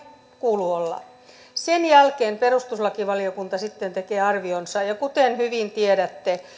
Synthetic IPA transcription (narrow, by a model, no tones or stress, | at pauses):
kuːluolːɑ̰ | senjælkeːmperust̪uslɑkiʋɑliokunt̪ɑsit̪ːent̪ekeːɑrʋionsɑjɑkut̪enhyʋint̪ieɾæt̪ːe